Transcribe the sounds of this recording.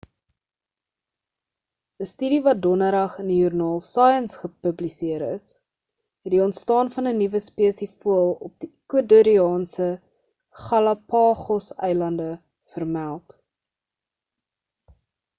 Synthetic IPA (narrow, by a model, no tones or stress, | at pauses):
əstydivɐt̚dɔnəɾɐχəndijurnɑːlˠsɑːjənsχəpəblisiəɾə̰s | ɦɛtdiɔntstɑːnfɐnənivəspiəsifuəlˠɔp̚dikwəduɾiɑːnsə | χɐlɐpɑːχɔsɛ̰jlɐndə | fərmælˠt